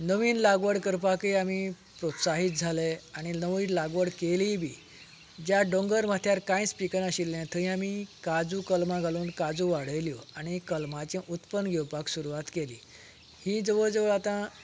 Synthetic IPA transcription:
nəʋiːnlaɡʋəɽkəɾpakeami | pɾot̪saɦiːt̪̚d͡zʱaleaɽ̃inəʋinlaɡʋəɽkeliːbʱiː | d͡ʑjaɖõŋɡəɾm̤at̪ʰjaɾkãjspikənəɕilːɛ̃t̪ʰəĩamikad͡zukəlmãɡʱaluːnkad͡zũʋaɽ̤əjljaɽ̃ikəlmat͡ɕẽʔut̪pənɡʱɛwpaksuɾuʋat̪kelḭː | hiːd͡zəʋəɭd͡zəʋəɭat̪ã

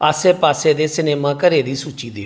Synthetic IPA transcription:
əseːpaːseːd̪eːsɪneːmãːkəɾeːd̪iːsuːt͡ʃiːd̪eː

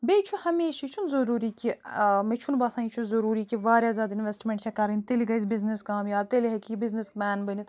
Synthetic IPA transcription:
beːt͡ʃʰuhɐmeːʃit͡ʃʰunzɐɾuːɾiːkʲimet͡ʃʰunbɐsãːnit͡ʃʰuzɐɾuːɾiːkiʋaːɾʲjaːzaːd̪inʋʲesʈmʲẽɳʈt͡ʃʰekɐɾɐnʲt̪eliɡɐjsʲbizneskaːmjaːb̚t̪elʲiɦekʲijibiznesbaːnbənit̪

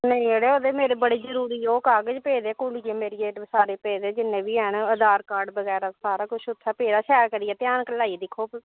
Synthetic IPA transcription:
nəĩːeːɽeːoːd̪emeːɾeːbəɽiːzəɾuːɾiːoːkaːɡəd͡ʒpeːd̪eːkʊɽijeːmeːɾiːeːʈsaːɾeːpeːd̪eːd͡ʒɪnːẽːʋiːɛːnəd̪aːɾkaːɾɖbəɡɛːɾaːsaːɾaːkʊt͡ʃʰʊt̪ʰːaːpeːd̪aːʃɛːɾkəɾiːɛːt̪ɪjaːnkəlaːid̪ɪkʰoː

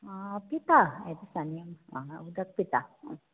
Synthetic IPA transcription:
pit̪aed̪isɐnjɐmud̪ɐk̚pit̪a

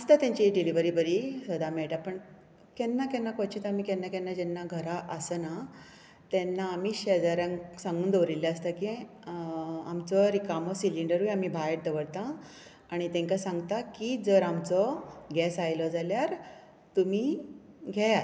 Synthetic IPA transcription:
əst̪at̪jãɲt͡ɕiɖiliʋəɾiːbəɾisəd̪amɛɭʈ̪apəɳ | kɛnːakɛnːakɔt͡ɕit̪am̤iːkɛnːakɛnːad͡ʑɛnːaɡʱəɾaʔəsəna | t̪ɛnːaːm̤iːɕed͡zaɾə̃ŋsãŋɡuːnd̪əʋɾiljaəst̪aki | a̰mt͡sɔɾikamɔsiliɳɖəɾujam̤ibʱajeʈ̚d̪əʋəɽt̪ãː | ɽ̃it̪ɛ̃ŋkasãŋɡt̪akid͡zəɾamt͡sɔɡɛsajlɔd͡zaljaɾ | t̪um̤i | ɡʱɛja

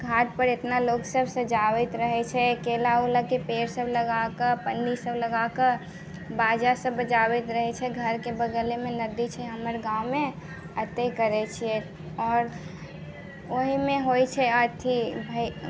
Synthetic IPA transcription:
ɡʱaʈ̚pəɾet̪naloɡsəbʱsə̃d͡ʒawɛt̪ɾəɦɛt͡ʃʰɛkelaulakepeɾsəbləɡakəɾpənːisəbləɡakəɾ | bad͡ʒasəbːət͡ʃawɛt̪ɾəɦɛt͡ʃʰɛɡʱəɾkebəɡəlemenəd̪it͡ʃʰɛɦəməɾɡaume | ət̪ekəɾɛt͡ʃʰiɛ | ɔːɾ | oɦimẽɦojt͡ʃʰɛət̪ʰibʱə

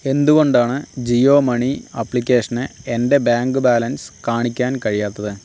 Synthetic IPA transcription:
e̞nd̪uɣo̞ɳɖaːɳɨd͡ʑioːmɐɳiɐpːlikʲːe̞ːʂɐnɨe̞nde̞bjaːŋɡɨbaːlɐnskaːɳikʲːaːnkɐɻijaːt̪ːɐðɨ

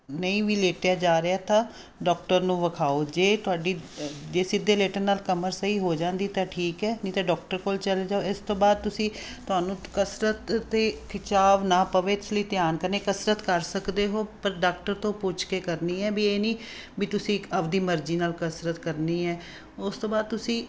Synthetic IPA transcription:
nəĩːʋiːleːʈɪjaːd͡ʒaːɾeaːt̪ãː | ɖɔːkʈəɾnũːʋəkʰaːoːd͡ʒeːt̪ʊaːɖiːd͡ʒeːsɪd̪ːeːleːʈənːaːlkəməɾsəiːɦoːd͡ʒãːnd̪iːt̪ãːʈʰiːkɛːnĩːt̪ãːɖɔːk̚ʈəɾkoːlt͡ʃəled͡ʒaːoːɪst̪õːbaːd̪̚t̪ʊsĩː | t̪ʊɦaːnũːkəsɾət̪ːeːkɪt͡ʃaːʋnaːpəʋeːt̪ɪsləiːt̪jaːnkəɾneːkəsɾət̪kəɾsəkd̪eːɦoːpəɾɖaːk̚ʈəɾt̪õːpʊt͡ʃʰkeːkəɾniːɛːbieːniː | biːt̪ʊsĩːəʋd̪iːməɾd͡ʒiːnaːlkəsɾət̪kəɾniːɛː | ʊst̪õːbaːd̪̚t̪ʊsĩː

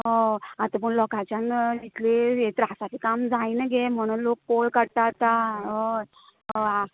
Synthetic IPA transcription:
ɦɦəat̪əp̬əɳlɔkat͡ɕjãnit̪ʰleet̪ɾasaʈ̪ʰikamd͡zajnəɡem̤əɽ̃uːnlok̚polkəɽt̪at̪aɦə | əa

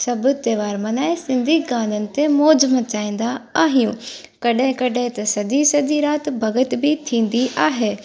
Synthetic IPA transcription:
sɐbʊ̆t̪eːʋaːɾmɐnaːesɪ̃nd̪ʱiɡãːnd̪ənɪ̆t̪emoːd͡ʒmə̃t͡ɕaːĩːn̆d̪aaːɦijũ | kɐɗɦɪ̃kɐɗẽt̪ɐsɐʄ̪isɐd̪iɾaːt̪bʱɐɡət̪bʱit̪ʰĩːn̆d̪iʔaːɦeː

